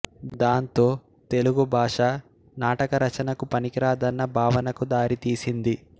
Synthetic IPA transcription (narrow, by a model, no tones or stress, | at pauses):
d̪aːnt̪o̞ː | t̪e̞luɡubʱaːʂa | naːʈɐkɐɾɐt͡ʃɐnɐkupɐnikiɾaːd̪ɐnːɐbʱaːʋɐnɐkud̪aːɾit̪iːsind̪i